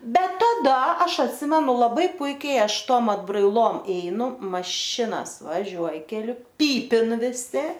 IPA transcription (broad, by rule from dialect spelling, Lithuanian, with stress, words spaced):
ˈbʲɛt tɐˈdɐ ˈɐʃ ɐtʲˈsʲɪmʲɛnʊ lˠɐˈbɐɪ ˈpʊɪkʲɛɪ ˈɐʃ ˈtoːm ɐdbrɐɪˈlˠoːm ˈɛɪnʊ mɐˈʃʲɪnɐs ʋɐˈʒʲuɔj kʲɛˈlʲʊ ˈpʲiːpʲɪn ʋʲɪˈsʲɪ